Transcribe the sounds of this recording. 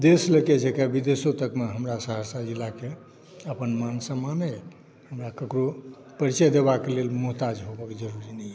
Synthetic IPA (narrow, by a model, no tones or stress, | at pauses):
d̪esləked͡ʒekɛbid̪esot̪əkmeɦəmɾasəɦəsad͡ʒilːake | əpənmansəmane | həmɾakəkɾo | pəɾit͡ʃəjd̪ebakelelmuɦt̪ad͡ʒɦobəkd͡ʒəɾuɾinəɛ